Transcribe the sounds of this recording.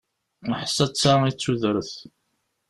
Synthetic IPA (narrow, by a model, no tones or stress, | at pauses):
əħsːæt͡sːait͡sːuðɾəθ